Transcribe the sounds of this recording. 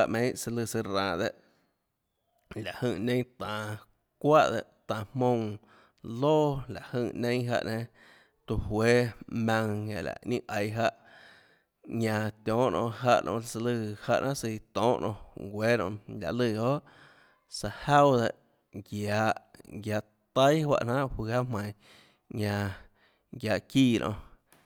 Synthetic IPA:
a˧ʔmẽ˧˦si˧lɨ˧˨si˧ɾãː˨d̪e˧ʔ | la˨ʔhɨ˧˨nẽ˦ŋt̪ãː˨ | kʷa˦ʔd̪e˧ʔt̪ãː˨hmõ˧w | loː˦la˨ʔhɨ˧˨nẽ˦ɦa̰˧ʔnẽ˧ | t̪u˧hweː˦mã˧ŋja̰˨la̰˨ʔɲĩ˦˧ʔʔə˨jɦa˧ʔ | ɲã˧t̪jɔ̃ː˨˦ʔnʔɔ̰̃˧˨ʔɦa˧ʔnʔɔ̰̃˧la˧t͡sə˧lɨ˧ha˧ʔnʔã˦ʔsi˧t̪ɔ̃ː˨˦ʔnʔɔ̰̃˧ɡʷe˦ɾõ̰˧ʔlʲa̰˧˨ʔlɨ˧˨ho˦ʔ | sa˧ha˦wd̪e˧˨ʔ | ɡjaː˨˧ʔɡja˨˧ʔ | t̪a˦jhwa̰˧ʔnã˦ʔhwi˧ha˦ʔmã˨j | ɲã˧ | ɡjaː˨ʔkiː˦˧˨nʔõ̰˧

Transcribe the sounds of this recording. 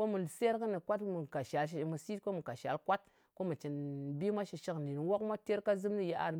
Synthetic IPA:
o˦mu˨se˦ɾkə˦ni˨kʷa˦tmu˨ka˨ʃa˨lʃ̬i˨mu˨si˦tko˦mu˨ka˨ʃa̰˨lkʷa˦t̚ | ko˦mu˨t͡ʃi˨nbi˦mʷa˦ʃi˧ʃi˦kni˨n˨wo˦kmʷa˦te˦ɾka˦zɨ˦mni˦je˦ʔa̰˨ɾ

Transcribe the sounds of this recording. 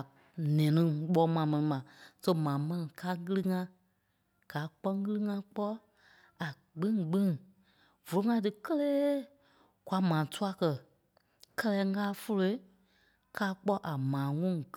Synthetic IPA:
nɛ̃ː˨nĩ˦ɓɔː˨˦mãː˨˦mɛ̃˧nĩ˨mã˨so˦mãː˨˦mɛ̃˧nĩ˨kaː˦ɣɨ˦lɨ˦ŋã˧ | ɡ̥aː˨˦k͡pɔ˦ŋ˦ɣɨ˦lɨ˦ŋã˧k͡pɔ˦ | a˨ | ɡ͡bĩ˦ɡ͡bĩ˦ŋ | v̥o˨lo˨˦ŋã˧˦t̬ɨ˧kə˦leː˦ | kʷwa˧˦mãː˨tu˦a˧kɜ˧˨ | kɜ˦lɛː˧˦ŋaː˦fo˦lo˧i˦ | kaː˧˦k͡pɔ˦ʔa˨mãː˨˦ŋũ˦ŋ˨

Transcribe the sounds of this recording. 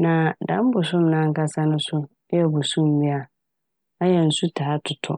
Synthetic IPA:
nã˨dã˨˦m˦bʊ˨sʊ̃˦m˦nã˦ŋ̩˦ka˦sa˦nʊ̃˦sʊ˦ | ɛ˦bʊ˨sʊ̃˦m˦bi˦a˨ | a˦jɛ˨n̩˨su˦tʰaː˨˦tʰʊ˨tʰɔ̰˦

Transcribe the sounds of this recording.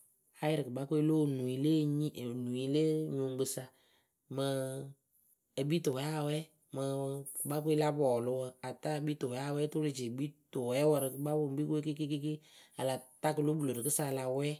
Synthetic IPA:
ha˦jɪ˦ɾɨ˨kɨ˨ba˦ke˦lo˦˨nu˨i˨˦le˦ɲi˦˨nu˨i˦le˦ɲu˨˦ɡ͡bɨ˧sa˧ | mə˧ | ə˨bi˦tʊ˨wɛ˨˦a˦˨wɛ˦ | mə˧kɨ˨ɓa˦k̬ʷe˦la˦bɔː˨lʊ˦wə˧a˨ta˦˨bi˦to˨wɛ˨˦a˦˨wɛ˦tʊ˦le˨t͡ʃe˨bi˦tʊ˨wɛ˨˦wə˧ɾɨ˧kɨ˨ɡ͡ba˦bʊ˨˦bi˦ke˦ke˦ke˦ke˦ki˦a̰˨la˨ta˦kɨ˨lo˦bu˨lo˨ɾɨ˨kɨ˦sa˧la˧wɛ˦

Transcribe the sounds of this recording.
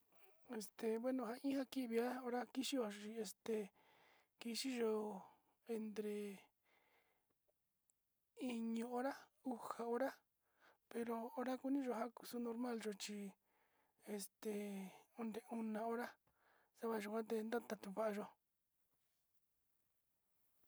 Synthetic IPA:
e˧st̪e˨βwe˦˧nõ˧ɦa˧ĩ˦ha˦ki˦ʔβi˧a˦o˧ɾa˦ki˧ʃi˦o˧˨o˧˨t͡ʃi˧e˧st̪e˨ | ki˧ʃi˦ʒo˧˨ | e˧nd̪ɾe˧ | i˧ɲũ˧o˦ɾa˦u˧ha˨o˧ɾa˦ | pe˧ɾo˧o˧ɾa˦ku˧nĩ˦ʒo˧˨ɦa˦ku̥˧su˦no˧ɾmã˦lʒo˧t͡ʃi˧ | e˧st̪e˧o˧nd̪e˨u˧nã˧o˧˦ɾa˦ | sa˦βa˧ʒu˧kʷã˦t̪̬e˧nd̪a˦t̪a˧t̪u˧βa˧ʔa˧ʒo˧

